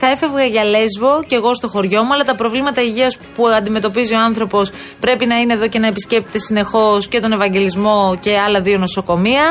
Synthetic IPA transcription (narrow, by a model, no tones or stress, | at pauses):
θɐe̞fe̞vɣɐʝɐle̞zvo̞ce̞ɣo̞st̪o̞xo̞ɾʝo̞muɐlɐt̪ɐpɾo̞vlimɐt̪ɐiʝiɐspuɐnd̪ime̞t̪o̞pizio̞ɐnθɾo̞po̞s | pɾe̞pinɐineðo̞ce̞nɐepisce̞p̚t̪e̥t̪e̞sine̞xo̞sce̞t̪o̞ne̞vɐɲɟe̞lizmo̞ce̞ɐlɐðio̞noso̞ko̞miɐ